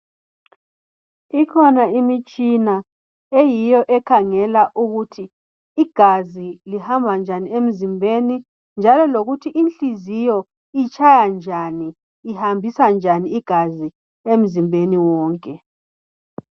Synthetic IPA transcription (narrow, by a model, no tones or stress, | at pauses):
ikʰɔnaimit͡ʃʼina | ejijɔʔɛkʰaŋɛlaʔuɣutʰiː | ɡ̥ʱazilihambʱand͡ʒʱaniem̩zimbʱeni | nd͡ʒʱalɔloɣutʰiʔinɬizijɔ | it͡ʃʼʰajand͡ʒʱaniː | hambʱisand͡ʒʱaniiɡ̥ʱazi | em̩zimbʱeniwɔːŋkʼɛ